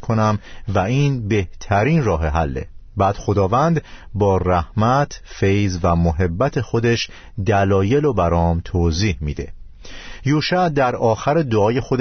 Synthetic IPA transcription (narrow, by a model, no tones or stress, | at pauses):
kʰo̞næmvæiːnbe̞ht̪ʰæɾiːnrɒːɦeɦælːḛbæːd̪̥xo̞d̪ɒːvænd̪bɒːræhmæt̪ʰfejzvæmoɦe̞bːæt̪ʰe̞xo̞d̪e̞ʃ | d̪ælɒːje̞lobæɾɒːmt̪ʰoːziːhmiːd̪e̞̰ | juːʃæd̪æɾɒːxæɾed̪oɒːje̞xo̞d̪